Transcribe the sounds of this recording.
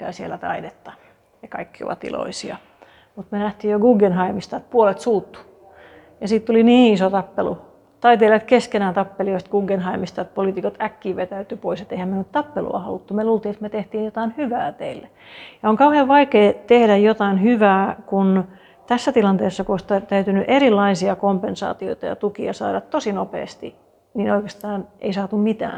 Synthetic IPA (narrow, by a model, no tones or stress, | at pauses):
kæːˑsielːæt̪ɑ̰idet̪ːɑ | jɑkɑikːio̰ʋɑ̰t̪ḭlo̰isiɑ̰ | mut̪menæht̪iːjjoɡuːɡenhɑimist̪ɑːˑt̪̚puolet̪suːt̪ːu̥ | jɑsiːt̪t̪uliniːisot̪ɑpːelṵ | t̪ɑit̪eːlɑet̪keskenæːt̪ɑpːelioist̪̚ɡ̥uːɡːenhɑimist̪ɑt̪̚poliːˑt̪ikot̪ækːiːʋet̪æyt̪ypoiset̪eihæmenyt̪t̪ɑpːelṵɑ̰hɑ̰lut̪ːumeluːlt̪iːet̪met̪eht̪iːnjot̪ɑinhyʋæːt̪eilːe | jɑoŋkɑuheʋʋɑikeːt̪ehdæjjot̪ɑinhyʋæːkun | t̪æsːæt̪ilɑnt̪eːsːɑkuoist̪æt̪æyt̪ynyʔerilːɑisiɑkompensɑ̰ːt̪io̰it̪ɑjɑ̰t̪ukiɑsɑːdɑt̪t̪osinopḛːst̪i | niːnoikest̪ɑːnʔḛisɑːt̪ummit̪æ̰ː